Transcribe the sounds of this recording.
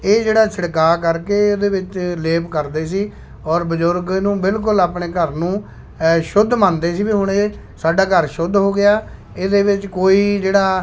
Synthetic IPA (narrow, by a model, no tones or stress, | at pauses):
eːd͡ʒeːɽaːsɪɽkaːkəɾkeːd̪eːʋɪt͡ʃleːpkəɾd̪eːsiː | ɔːɾbəd͡ʒʊɾɡnũːbɪlk̬ʊlaːpɳeːkəɾnũː | ʃʊd̪mãːnd̪eːsiːbiːɦʊɳ̃eː | saːɖaːkəɾʃʊd̪ɦoːɡɪaː | eːd̪eːʋɪt͡ʃkoːiːd͡ʒeːɽaː